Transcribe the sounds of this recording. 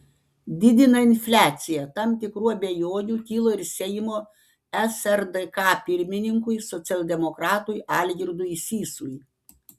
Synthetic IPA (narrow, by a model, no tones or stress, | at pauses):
d̪ʲɪd̪ʲɪnɐɪnʲfʲlʲæːt̪sʲɪjɛt̪ɐmt̪ʲɪkɾuːɐbʲejoːnʲuːkʲiːlˠoːɪɾʲsʲɛjɪmoː | ɛsɛɾd̪ɛkɑːpʲɪɾʲmʲɪnʲɪŋkʊɪsɔt̪sʲɛlʲˠd̪ʲɛmɔkɾɑːt̪ujʔɑːlʲɡʲɪɾd̪ʊisʲiːsuj